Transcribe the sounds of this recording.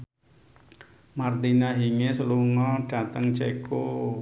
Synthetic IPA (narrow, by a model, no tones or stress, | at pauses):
mart̪inaɦiŋesəluŋɔɖ̥a̤t̪əŋt͡ʃeko